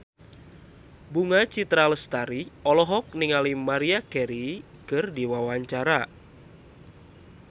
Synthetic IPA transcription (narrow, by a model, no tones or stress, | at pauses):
buŋat͡ʃit̪ɾaləst̪aɾiɔlɔɦɔk̚niŋalimaɾiakɛɾi | kɨrdiwawaɲt͡ʃaɾa